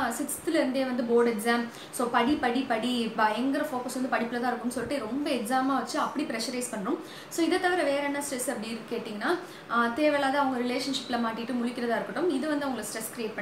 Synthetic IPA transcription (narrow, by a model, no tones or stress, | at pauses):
sɪksɐ̥t̪ɪlɪɾɯnd̪eːʋɐnd̪ɯboːɾɖɛɡsaːm | soːpɐɽipɐɽipɐɽiɐɛŋɡɪɾɐfoːkɐsʋɐnd̪ɯpɐɽɪpːɪlɐt̪ãːɪɾɯkːɯmnːsɔlːɪʈːɯɾɔmbɐɛksaːmaːʋɐt͡ʃːɯɐpːɐɽipɪɾɛʂɐɾeːspɐɳːɾɯm | soːɪðɐt̪ːɐʋɐɾɐʋeːɾɐnːɐsʈɾɛsɐpːɐɽiɪɾɯkeːʈːiːŋɡɐnːaː | t̪eːʋɛːɭaːðɐɐʋɐŋɡɐɾɪleːʂɐnʂɪpːɪlɐmaːʈːɪʈːɯmʊɻɪkʲːɪɾɐðaːɪɾɯkːɐʈːɯmɪðɯʋɐnd̪ɯɐʋɐŋɡɐɭsʈɾɛskɾieːʈ̚pɐɳ